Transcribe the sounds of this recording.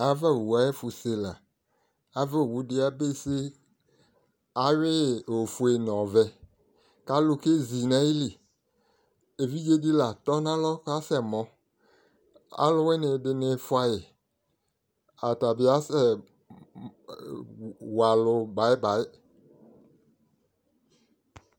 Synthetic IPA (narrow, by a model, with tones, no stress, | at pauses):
a˦vɛ˦˨wu˨a˨˦e˦fu˨se˦la˨ | a˦vɛ˦˨wu˨dɪ˦a˦be˦se˦ | a˨ɥɪ˦˨o˨fu˨˦e˨nɔ̃˨vɛ˨ | ka˨lʊ˦ke˦zi˨na˦i˦li˨ | e˨vi˦d͡ʒe˦di˦la˨t̪ɔ˦nã˦lɔ˦ka˦sɛ˨mɔ̃˨ | a̰˦lʊ˦wɛ˦nɪ˨dɪ˨nɪ˨fwa˦jɪ˨ | a˨ta˨bɪ˦a˦sɛ˦ | wa˨lʊ˨ba˨˦jɪ˦ba˨ɪ˦